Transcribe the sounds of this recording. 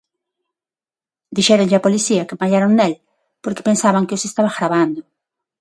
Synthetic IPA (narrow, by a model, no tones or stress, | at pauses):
d̪iʃeɾonʎapolisiakemaʎaɾonnel | poɾke̥pensaβaŋkeosest̪aβaɣɾaβand̪o